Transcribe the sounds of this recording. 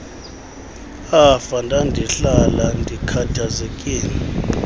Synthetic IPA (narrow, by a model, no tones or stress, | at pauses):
afandʱandʱiɬalandʱikʰatʰazekʼiːni